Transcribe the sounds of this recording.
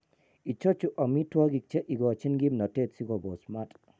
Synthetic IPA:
i˨t͡ʃɔ˦t͡ʃu˨ʔa˨mi˦twa˦ɡi˨k̚t͡ʃɛ˦ʔi˨ɡɔ˨t͡ʃi˦nɡi˦mnɔ˨te˦˨tsi˦ɡɔ˨bo˨sma˦tʼ

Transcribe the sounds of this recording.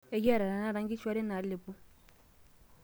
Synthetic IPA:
e˦ja˦˨ɾa˨ɾa˨na˦ɾa˦ŋɡi˦t͡ʃwa˦ɾɛ˦na˨le˨pu˦

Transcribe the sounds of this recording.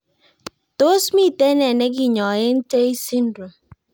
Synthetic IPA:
to˦smi˦˨te˦ne˨ne˦ɡɪ˦˨ɲɔ˨ɣɪ˦n̩˦te˦i˦si˦n̩˦du˨

